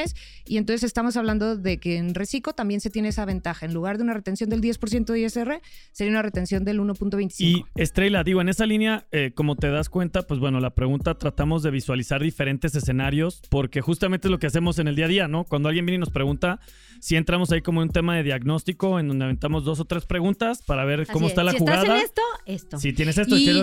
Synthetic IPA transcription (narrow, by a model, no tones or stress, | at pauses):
es | ient̪o̞nsese̞st̪amo̞s̬aβland̪o̞ðe̞keːnresiko̞t̪ambje̞nset̪je̞neesaβ̞e̞nt̪axaenluɣaɾðe̞unare̞t̪e̞nsjo̞nd̪e̞ld̪je̞spo̞ɾsje̞nt̪oðeeseereseɾiaunaret̪e̞nsjo̞nd̪e̞luno̞punt̪oe̞jnt̪i̥siŋkoest̪ɾejlaðiɣo̞ene̞salinjaeko̞mo̞t̪e̞ðaskwe̞nt̪apwe̞zβwe̞no̞lapɾe̞ɣunt̪at̪ɾat̪amo̞zðe̞β̞iswalisaɾðife̞ɾe̞nt̪e̞s̬e̞se̞naɾjo̞spo̞ɾke̞xust̪amẽnt̪ezlo̞kease̞mo̞s̬eneld̪iaðiano̞kwand̪oalɣje̞mbjenino̞spɾe̞ɣunt̪a | sie̞nt̪ɾamo̞saikomoenunt̪e̞maðe̞ðjaɣno̞st̪iko̞e̞nd̪o̞nd̪eaβe̞nt̪amo̞zðo̞s̬o̞t̪ɾe̞spɾeɣunt̪aspaɾaβe̞ɾkkomot̪alaxxuɣaðaest̪oest̪osit̪jenes̬esoie